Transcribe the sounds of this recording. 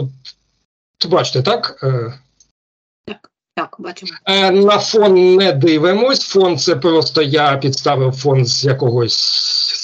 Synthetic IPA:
ʊbɑt͡ʃɪ̥t̪et̪ɑkə | t̪akbt͡ʃnɐfɔnnɛd̪ɪʋɪmɔsʲfɔnt̪sɛpɾɔst̪ɔjapʲid̪st̪ɑʋɪwfɔnzjɐkɔɦɔsʲ

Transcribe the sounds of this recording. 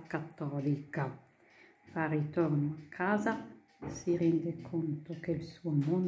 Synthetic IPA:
kat̪ːɔlika | farit̪ornoakʰːaːza | siɾɛnd̪ekʰont̪okeilsuomon

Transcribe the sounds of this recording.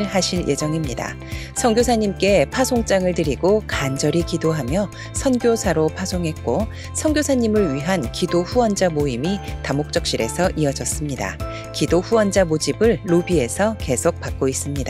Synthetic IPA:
ɭɦaɕʰiɭjʔe̞d͡ʑʌŋimɲida̰ | sʰʌŋɡjosʰaɲimk͈e̞pʰasʰoŋt͡ɕ͈aŋɯɭtɯɾiɡokand͡ʑʌɾikidoɦamjʌ | sʰʌnɡjosʰaɾopʰasʰoŋɦe̞t̚k͈o | sʰʌŋɡʲjosʰaɲimɯɭɥiɦankidoɸuwʌnd͡ʑamoimitamok̚t͡ɕ͈ʌk̚ɕ͈iɾe̞sʰʌʔiʌd͡ʑʌs͈ɯmɲida̰ | kidoɸuwʌnd͡ʑamod͡ʑibɯɭːobie̞sʰʌke̞sʰok̚p͈ak̚k͈ois͈ɯmɲida

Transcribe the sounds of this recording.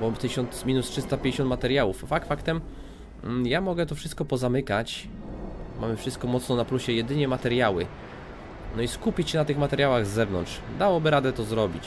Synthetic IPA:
bɔt̪ɘɕɔnt̪smʲinustʂɘst̪apʲj̃ɲd͡ʑeɕɔnt̪mat̪ɛɾjawufːak̪fakt̪ɛm | jamɔɡɛt̪ɔfʂɘst̪kɔpɔzamɘkat͡ɕ | mamɘfʂɘst̪̚kɔmɔt̪snɔnapluɕɛjɛd̪ɘɲɛmat̪ɛɾjawɘ̰ | nɔiskupʲit͡ɕɕɛnat̪ɘxmat̪ɛɾʲjawaɣzːɛvnɔ̰ntʂd̪awɔbɘɾad̪ɛt̪ɔzɾɔbʲit͡ɕ

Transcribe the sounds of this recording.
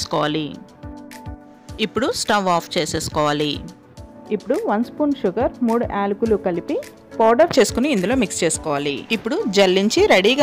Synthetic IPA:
skɔːʋaːli | ipːuɽusʈɐʋaːpʰt͡ʃeːseːsu̥kɔːʋaːli | ipːuɽuʋɐnspuːnʃuɡɐɾmuːɽuʔaːlukulukɐlipi | paːɾɖɐɾt͡ʃe̞ːsu̥kuniːnd̪ulo̞ːmikst͡ʃeːsu̥kɔːʋaːlḭipːuɽud͡ʒɐlːiɲt͡ʃiɾeɽiːɡaː

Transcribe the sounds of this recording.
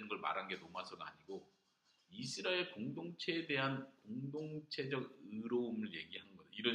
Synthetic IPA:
ɯnɡʌɭma̰ɾanɡe̞nomasʰʌna̰ɲiɡo | isʰɯɾaekoŋdoŋt͡ɕʰe̞ːde̞ɦankoŋdoŋt͡ɕʰe̞d͡ʑʌɡɯɾoumɯɭje̞̰ɡiɦanɡʌd͡ʑiɾʌ

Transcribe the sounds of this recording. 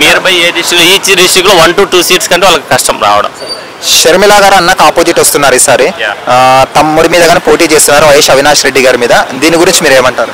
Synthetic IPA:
miːɾupɐjeːd̪iʃikloːiːt͡ʃid̪iʂikloːʋɐnʈuːʈuːsiːʈskɐɳʈeʋɐlːɐki̥kɐʂʈɐmɾa̰ːʋɐɽɐ̰m | ʃɐɾmilaːɡaːɾɐnːaːkaːpoːd͡ʒiʈʋɐst̪unːaːɾiːsaːɾe | t̪ɐmːuɽimiːd̪ɐɡaːneːpo̞ːʈiːt͡ʃe̞ːst̪unːaːɾuʋɐjeːʃɐʋinaːʃɾe̞ɖːiɡaːɾimiːd̪ɐd̪iːniɡuɾiɲt͡ʃimiːɾe̞ːmɐɳʈaːɾu

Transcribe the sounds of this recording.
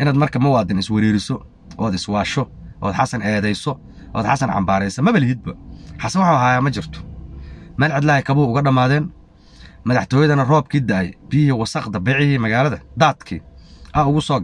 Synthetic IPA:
ʔɪnaːd̪mɐrkʰɐmɐwɑːd̪ɪnɪswɐɾiːɾɪsɔ | ʔɔːd̪ɪswɑːʃɔʔɔ̰ːd̪ħɑsɐnɛːðɛjsɔ | ʔɔ̰ːd̪ħɑsɐnʕɑ̰mbaːɾɛjsɐmɐβɐlɪhɦid̪̚bɐħɑsɐwɑħɑɦaːjaːmɐt͡ʃɪrt̪ʰɔ̥ | mɐːlʕɑd̪lɐːhɛkʰɐβʊhʊʊɣɐɖɐmaːðɛːn | mɐðɑħt̪ʰɔːjɐðɐnɐrɔːbkʰiːd̪ɐɛ̰jb̥ɪjɦiwɑsɐqd̪ɐbɛːʕɪhiːmɐɣaːlɐðɐd̪aːd̪kʰḭːʔɐʊɣʊsɔːɡ

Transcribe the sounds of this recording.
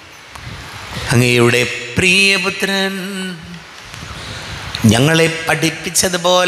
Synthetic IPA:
ɐŋɡeːiɽepɾiːjɐput̪ːɾɐn | ɲɐŋːɐɭepːɐʈipːit͡ɕːɐðɯpoːl

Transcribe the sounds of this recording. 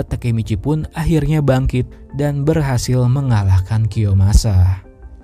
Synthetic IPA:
t̪əkemit͡ʃipʊnaɦirɲabaŋkɪt̪̚ | danbərɦasɪlməŋalahkankiomasa

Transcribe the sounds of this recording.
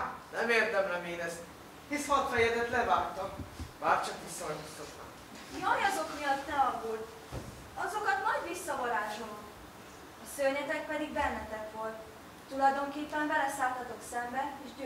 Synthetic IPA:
nɛmeːrd̪ɛmlɛmeːnɛst̪ | hismɒt̪hɒjɛd̪ɛt̪lɛvaːrt̪ɒmbaːrt͡ʃɒk̪isːɒɒnust̪ɒt̪na̰ː | iɒjɒzo̞kmijɒt̪ːɛɒɡult̪ | ɒzo̞kɒt̪nɒɟʋisːɒvɒɾaːʃom | ɒsøɲɛt̪ɛk̚pɛd̪iɡbɛnːɛt̪ɛkʋo̞lt̪ː | ulɒjd̪o̞ŋkeːpːɛmbɛlɛsaːlt̪ɒt̪o̞ksɛmbɛeːʃɟø

